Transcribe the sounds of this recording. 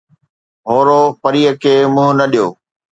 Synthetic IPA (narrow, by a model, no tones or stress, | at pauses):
ɦoːɾoːpəɾiːəkʰeːmũːnɐɗijoː